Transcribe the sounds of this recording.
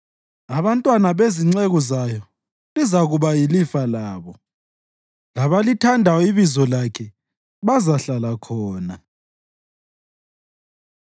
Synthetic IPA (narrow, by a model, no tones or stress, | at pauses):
aβantʼwanaβeziŋ͡ǀeɣuzajɔ | lizaɣuβajilifalaːβɔ | laβalitʰandʱawiβizɔlakʰɛ | βazaɬalakʰɔːna